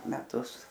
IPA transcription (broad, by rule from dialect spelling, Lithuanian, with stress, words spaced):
mʲɛˈtʊs